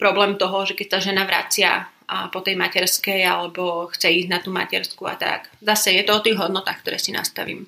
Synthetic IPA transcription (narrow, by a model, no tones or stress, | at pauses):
pɾɔblɛːmt̪ɔɦɔʒɛkɛc̚saʒɛnaʋɾa̰t͡sɪa̰ | pɔt̪ɛjmacɛɾskɛjalɛbɔxt͡sɛiːznat̪uːma̰cɛɾskua̰t̪a̰kzasɛjɛt̪ɔɔt̪iːɣɦɔd̪nɔt̪aːxkt̪ɔɾɛ̰ːsina̰st̪a̰ʋḭːm